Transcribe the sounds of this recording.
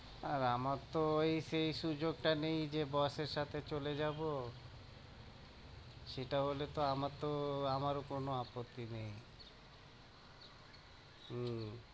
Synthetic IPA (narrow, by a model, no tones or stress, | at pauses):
aɾamaɾt̪oojʃejʃud͡ʑoɡ̚ʈanejd͡ʑebɔʃeɾʃat̪ʰet͡ɕoled͡ʑabo | ʃeʈaɦolet̪oamaɾt̪oamaɾokonoapot̪ːinej